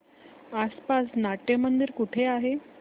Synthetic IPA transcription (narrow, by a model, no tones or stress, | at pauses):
aspasnaʈjəmənd̪iɾkuʈʰeaɦe